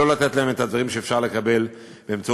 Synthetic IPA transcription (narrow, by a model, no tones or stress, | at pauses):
o̞lat̪e̞t̪laemet̪had̪vaʁimʃeeːfʃaʁle̞kabe̞l | b̥eːmt͡sa